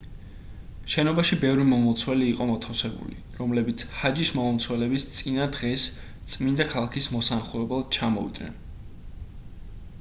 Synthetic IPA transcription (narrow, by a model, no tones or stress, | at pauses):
ʃɛnɔbaʃibɛvɾimɔmɔt̪sʰwɛliːqʼɔmɔt̪ʰafsɛbṵlḭ | ɾɔmlɛbit̪sʰhad͡ʒismɔmɔlˠt̪sʰwɛlɛbist̪sʼinad̪ʁɛs | t̪sʼmind̪akʰalˠakʰismɔsanaχulɛbɛlˠd̪̚t͡ʃʰamɔ̰vḭd̪nɛ̰n